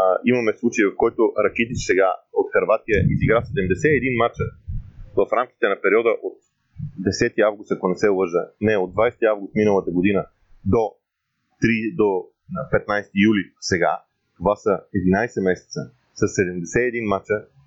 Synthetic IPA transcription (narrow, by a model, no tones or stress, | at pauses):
imɐmɛslˠut͡ʃəjvɐfkɔjt̪oʔɾɐkɛt̪iʃsɛɡaot̪xɐɾvat̪ijəʔiziɡɾafsɛd̪ɛmd̪ɛsɛɛd̪inmat͡ʃəvɐfɾamkʲi̥t̪ɛnɐpɛɾiɔd̪əʔot̪ | d̪ɛsɛt̪iavɡʊst̪ɐkonɛsɛlˠəʒənɛod̪vajst̪iavɡʊst̪minəlˠət̪əɡod̪inə | d̪o | t̪ɾid̪o | pɛt̪najst̪ijulʲisɛɡa̰ | t̪ovasəɛd̪inajsɛmɛsɛ̥t̪sə | səsɛd̪ɛmd̪ɛsɛɛd̪inmat͡ʃə